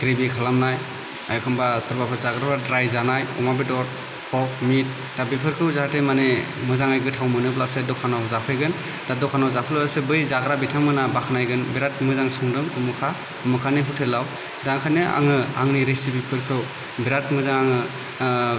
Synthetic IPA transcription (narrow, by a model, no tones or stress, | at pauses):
ɡ̥ɾebikʰalamnaj | ajkʰɯmbasɯɾbapʰɯɾzaɡɾabadɾajzanajɔ̰mabidɔɾ | hɔk̚mit̚ | d̥abipʰɯɾkʰɯwzaatemane | mɯzaŋajɡɯtʰawmɯnɯblasɯdɔkʰanawzapʰɯjɡɯn | d̥adɔkʰanawzapʰɯlasɯbɯjzaɡɾabitʰaŋmɯnabakʰanajɡɯnbiɾat̚mɯzaŋsuŋdɯmumɯkʰa | umɯkʰaniɦutʰelaw | daŋkʰanɯa̰ŋɯa̰ŋniɾesibipʰɯɾkʰɯw | biɾat̚mɯzaŋaŋɯ